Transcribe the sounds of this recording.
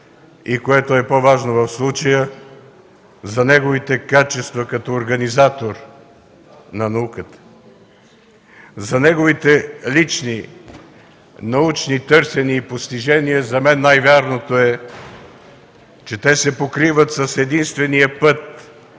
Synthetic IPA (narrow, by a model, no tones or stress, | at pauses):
ikoɛt̪oɛpovaʒnovɐfslˠut͡ʃəjə | zɐnɛɡovit̪ɛkat͡ʃɛst̪vɐkɐt̪ɔoɾɡɐnizat̪oɾ | nɐnɐukət̪ə̥ | zɐnɛɡovit̪ɛlit͡ʃni | nɐut͡ʃnit̪ɤɾsɛniːpost̪iʒɛniəzɐmɛnːajvʲaɾnot̪oɛ | t͡ʃɛt̪ɛsɛpokɾivət̪sɐsɛd̪inst̪vɛnijəpɤt̪̚